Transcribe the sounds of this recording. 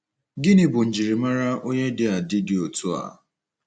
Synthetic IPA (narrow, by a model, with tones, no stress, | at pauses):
ɡɪ˦nɪ˨bʊ˨n̩˨d͡ʒi˨ɾi˨ma˦ɾa˦o˦ɲe˦dɪ˦a˨dɪ˦dɪ˨o˨tu˦a̰˨